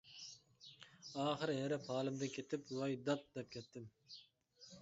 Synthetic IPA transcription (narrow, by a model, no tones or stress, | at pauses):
ɑːχɨɾɦeɾɛpʰɑːlˠɨmd̪ɨkʲʰet̪ʰɪpwɑjd̪ɑt̪̚d̪ɛp̚kʲʰɛt̪ːɪm